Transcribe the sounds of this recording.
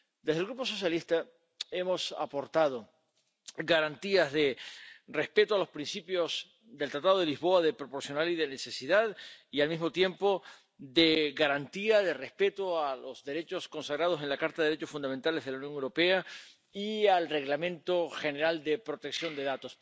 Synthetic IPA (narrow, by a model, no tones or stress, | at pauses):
d̪ezðlɡɾupo̞so̞s̬jalist̪a | e̞mo̞sa̰po̞ɾt̪að̞o | ɡaɾant̪iazðe̞re̞spe̞t̪oalo̞spɾinsipjos | d̪elt̪ɾat̪aðoð̞elizβo̞aðe̞pɾo̞po̞ɾsjo̞naliðe̞nese̞siðaðialmizmo̞t̪je̞mpo̞ | ðeɣaɾant̪iaðe̞respe̞t̪oalo̞zðe̞ɾe̞t͡ʃo̞sko̞nsaɣɾað̞os̬e̞nlakaɾt̪aðɾet͡ʃosfund̪ament̪ale̞zðelauwnjoŋewɾo̞pe̞a | ialre̞ɣlamẽ̞nt̪o̞xe̞ne̞ɾald̪e̞pɾot̪eksjo̞nd̪e̞ðat̪o̞s